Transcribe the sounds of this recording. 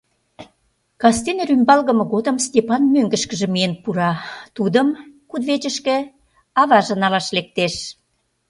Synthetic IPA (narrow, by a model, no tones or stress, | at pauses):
kɑst̪enrymbɑlɣə̆mɤ̆ɣod̪əmstʲepɑnmøŋɡə̆ʃkə̆ʒĕmienpuɾɑt̪ud̪əmkud̪βet͡ɕə̆ʃkĕ | ɑβɑʒɤ̆nɑlɑʃlek̚t̪eʃ